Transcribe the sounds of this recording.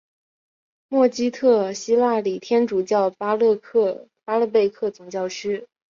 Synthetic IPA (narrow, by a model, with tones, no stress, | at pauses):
mwɔ˥˩t͡ɕi˥t̪ʰɤ˥˩ɕi˥la˥˩li˨˩t̪ʰjɛ˥nʈ͡ʂu˨˩t͡ɕjɑ˥˩ʊ˥lkʰpa˥lɤ˥˧pe˥˧ɪkʰɤ˥˩t͡sʊ˨˩ŋt͡ɕjɑ˥˩ʊʂɻ̩˥